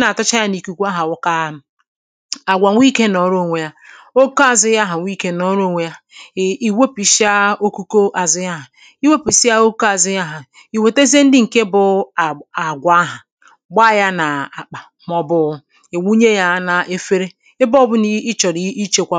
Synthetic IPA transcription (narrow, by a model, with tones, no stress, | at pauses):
na˨a˨tʊ˦t͡ʃa˦ja˦ni˨ku˨kʷa˦ɦa˨wʊ˦ka˦ | a˨ɡʷa˨ŋʷi˦ke˦nɔ˨˦ɾo˦˨ŋʷe˨˦ja˦o˦ko˦a˨zɪ˦ja˦ɦa˨ŋʷ˦i˦ke˦nɔ˦ɾo˦˨ŋʷe˦ja˦˨i˨we˦pi˨si˦a˦o˦ku˦ko˦ʔa˨zɪ˦ja˦ɦa˨ | i˦we˦pi˨si˦a˦o˦ko˦a˨zɪ˦ja˦ɦa˨ | i˨we˨te˦ze˦n̩˦dɪ˦ŋ̩˨ke˦bʊ˨a˨ɡʷa˦a˦ɦa˨ | ɡ͡ba˦˨ja˦na˨a˨k͡pa˨ | m˦ɔ˦bʊ˦ | ɪ˨wʷu˦ɲe˦ja˦na˨ʔe˦fe˦ɾe˦ | ɪ˦bɔ˦bʊ˦ni˦i˦t͡ʃɔ˨ɾi˦i˦t͡ʃe˨kʷa˦